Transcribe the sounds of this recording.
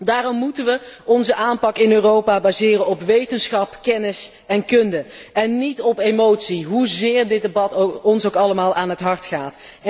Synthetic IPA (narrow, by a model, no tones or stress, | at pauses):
daːrɔmːutənʋəɔnzəʔaːnpɑkɪnøːrowpaːbaːzɪːrənɔpʋejtənsχɑpkɛnɪs | ɛnkɵndə | ɛnːitɔpemowtsiɦuzɪːɹdɪd̚debɑtɔnsowkɑləmaːlˠʔaːnɦətɦɑɹtχaːt